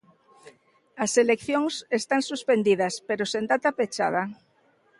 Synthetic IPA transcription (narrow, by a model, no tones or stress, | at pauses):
aselekθjoŋsest̪ansuspend̪iðaspeɾosend̪at̪apet͡ʃa̰ð̞a